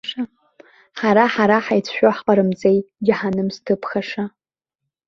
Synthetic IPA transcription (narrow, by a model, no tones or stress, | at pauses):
ʂa | ħaɾaħaɾaħajt͡sʰʃᶣoħqʼaɾɨmd͡zejɡʲɪħanɨmstʰɨpʰχaʂa